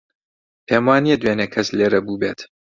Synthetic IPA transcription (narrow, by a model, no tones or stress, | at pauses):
pʰeːmwaːniɛd̪weːnɐkʰɐsleːɾɐbuːbeːt̪